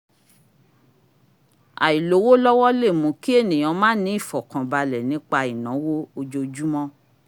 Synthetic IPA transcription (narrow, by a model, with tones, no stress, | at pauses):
a̰˨i˨lo˨˦wo˦lɔ˦wɔ˦le˦˨mũ˨˧˦ki˦e˦˨nĩ˨jɔ̃˨˧˦mãː˦nĩ˨˦i˦˨fɔ˨kã˨ba˧lɛ˨nĩ˨˦k͡pa˧i˨nã˨˦wo˦o˧d͡ʒo˧d͡ʒu˦mɔ̃˦